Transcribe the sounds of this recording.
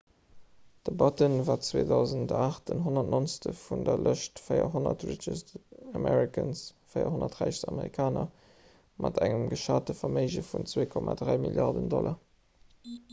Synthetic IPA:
d̥əbɑtənvaːt͡sweːdɑʊzəntaːχtənɦonɐtnonstəfundɐlʔəʃtfəɪɐ̰ɦonɐtɹit͡ʃəsamɛʁikʰənsfəɪɐ̰honɐtʁæɪʃsɑməʁikʰaːnɐ | mʔɑtʰæŋəmɡəʃaːtəfɐməɪʒəfunt͡sweːkʰɔmadʁæɪmiljɑʁdəndɔlʔɐ

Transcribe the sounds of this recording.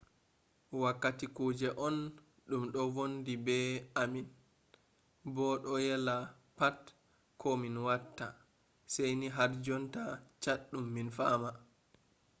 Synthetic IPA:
wakːatikuːd͡ʒɛʔɔn | ɗumɗɔvondibɛamin | bɔɗɔjɛla | pat | kʰɔminwatːa̰ | sɛjniɦaɾd͡ʒɔntat͡ʃaɗːumːinfaːma

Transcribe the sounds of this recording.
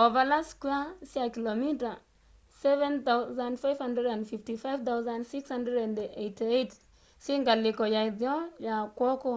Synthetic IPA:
ɔvalaskiasɪakilomita | sɛvɛnt̪awzandfafhandɾɛdãndfiftifajvt̪awzãndsikshandɛdandejtiejt | sɪŋɡalɪkɔjaɪðjɔjakɔkɔ

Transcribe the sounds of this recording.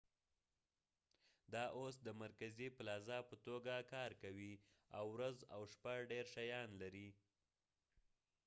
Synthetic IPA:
d̪ɑʔosd̪əmaɾkazipəlɑzɑpət̪oɡakɑɾkawi | a̰wɾaza̰wʃpaɖeɾʃajɑnlaɾi

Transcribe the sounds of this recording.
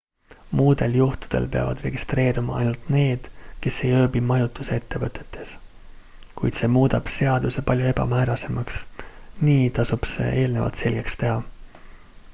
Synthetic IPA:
muːd̪̥e̞ljuht̪u̥d̪̥e̞̰lpe̞ɑ̰vɑd̪̥re̞ɡist̪re̞ːɾimɑɑjnult̪ne̞ːd̪̥ke̞sːe̞jø̞ːbimɑjut̪ːˑusee̞t̪ːe̞vɤt̪ːˑe̞t̪ʰːˑe̞s | kujt̪se̞ːmuːd̪̥ɑb̥se̞ɑd̪̥use̞pɑlʲjoe̞bɑ̰mæːɾɑse̞mɑksniːt̪ɑsub̥se̞̰ʔe̞ːlne̞vɑ̰lt̪se̞lɡ̥e̞kst̪e̞ɦɑ

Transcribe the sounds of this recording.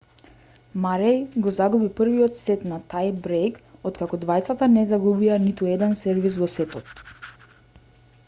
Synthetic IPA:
maɾɛjɡɔzaɡubipr̩viɔt̪sɛt̪nat̪ajbɾejkɔt̪kakɔd̪vajt̪sat̪anɛzaɡubianit̪uɛd̪ɛnsɛɾvisvɔsɛt̪ɔt̪

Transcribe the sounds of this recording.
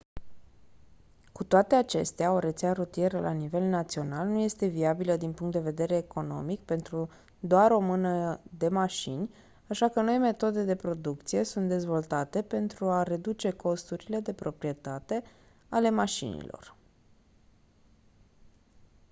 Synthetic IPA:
kut̪oat̪e̞at͡ʃe̞̰st̪eao̞ɾe̞t̪seaɾot̪ije̞ɾəlʔanive̞lnat̪sio̞nalnuje̞st̪e̞viabiləd̪inpuŋkt̪d̪e̞ve̞d̪e̞ɾeːkʰo̞no̞̰mik̚pe̞nt̪ɾu | d̪oaɾo̞mɨnəd̪e̞maʃḭnʲ | aʃakəno̞jme̞t̪o̞d̪ed̪e̞pɾo̞d̪uk̚t̪sije̞sunt̪̚d̪e̞zvo̞lt̪at̪e̞pe̞nt̪ɾuare̞d̪ut͡ʃe̞ko̞st̪uɾile̞d̪e̞pɾo̞pɾije̞t̪at̪e̞ | ale̞maʃḭnḭlo̞̰r

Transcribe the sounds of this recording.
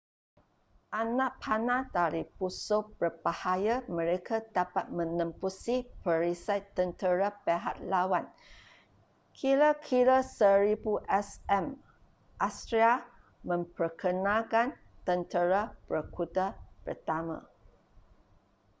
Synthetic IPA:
ʔanãʔpʰanãdaɾipusobərbahajamə̃ɾekʰadapat̪̚mə̃nə̃mpusipəɾisajt̪ːənt̪əɾapeɦat̪̚lawan | kʰiɾəkʰiɾəsəɾibuʔɛsɛm | ʔast̪ɾia | mə̃mpərkʰənakan | t̪ənt̪əɾabəkʰudapə̰rt̪amã̰

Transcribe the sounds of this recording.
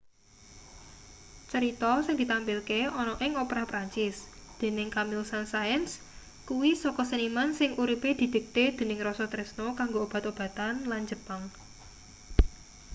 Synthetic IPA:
t͡ʃəɾit̪ɔsɪŋd̪̥i̤t̪ampɪlkeɔnɔʔɪŋopɾapɾaɲt͡ʃɪsd̪̥e̤nɪŋkamilsansajəns | kuwisɔkɔsənimansɪŋʔuɾiped̪̥i̤d̪̥ə̤k̚t̪ed̪̥e̤nɪŋrɔsɔt̪ɾɛsnokaŋɡoob̥a̤t̪ob̥a̤t̪anland͡ʒəpaŋ

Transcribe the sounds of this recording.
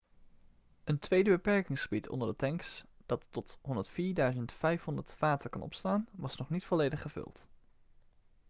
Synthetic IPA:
əntʋejdəbəpɛɹkɪŋsχəbitʰɔ̰ndəɹdətɛŋksd̥ɑtːɔtɦɔndəɹtfiːɹdœɥzəntfɛjfɦɔndətfaːtəkɑ̰nɔ̰pstaːnʋɑsnɔχnitfɔlejdəχəv̥ɵ̰lˠt

